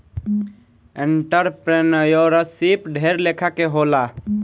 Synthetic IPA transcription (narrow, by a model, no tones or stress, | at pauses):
eɳʈəɾpɾenəjoɾəsipɖʱeɾlekʰakeɦola